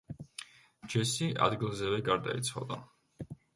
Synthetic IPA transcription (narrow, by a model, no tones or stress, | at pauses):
d͡ʒɛsiʔa̰d̪ɡilˠzɛvɛɡaɾd̪a̰it̪sʰχa̰vd̪a